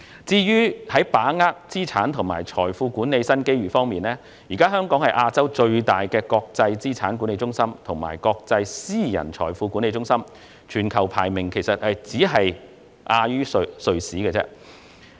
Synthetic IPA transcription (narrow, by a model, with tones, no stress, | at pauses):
t͡siː˥jyː˥hɐ˨˥jpaː˨˥ŋaː˥k̚t͡siː˥t͡sʰaː˨˥nt̪ʰʊ˨˩ŋmaː˨˩jt͡ʃʰɔː˨˩jfuː˧kuː˨˥nːe˨˧jsɐ˥nke˥jɥyː˨˩fɔː˥ŋmiː˨nlɛː˥ | jiː˨˩kaː˥ɦœː˥ŋkɔː˨˥ŋhɐ˨jʔaː˧t͡sɐ˥wt͡ʃɵ˧ɥt̪aː˨˩jkɛː˧kɔː˧k̚t͡sɐ˧jt͡siː˥t͡sʰaː˨˥nku˨˥ne˧jt͡ʃʊ˥ŋsɐ˥mt̪ʰʊ˨˩ŋma̰ː˨˩jkɔː˧k̚t͡sɐ˧jsiː˥jɐ̰˨˩nt͡ʃʰɔ̰ː˨˩jfuː˧kuː˨˥ne˧jt͡sʊ˥ŋsɐ˥m | t͡ʃʰyː˨˩nkʰɐ˨˩wpʰaː˨˩jmɪ˨ŋkʰe˨˩jsɐ˨t̚hɐ˨jt͡siː˨˥ɦɐ˨j | ʔaː˧jyː˥ssɵ˧ɥsiː˨˥ɡɛː˧t͡sɛ̰ː˥